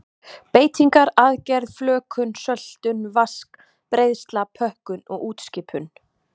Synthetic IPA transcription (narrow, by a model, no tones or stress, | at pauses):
peːjt̪iŋkaɾaðcɛɾðflœːkʰʏnsœl̥t̪ʏnvask | pɾejðst̪lapʰœhkʏnɔɣuːt̪scɪːpʰʏn